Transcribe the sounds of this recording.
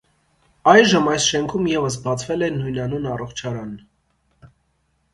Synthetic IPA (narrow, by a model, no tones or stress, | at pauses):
ɑjʒəmɑjsʃɛŋkʰumjɛvəs̬bɑt͡sʰvɛlɛnujnɑnunɑrɔχt͡ʃʰɑɾɑn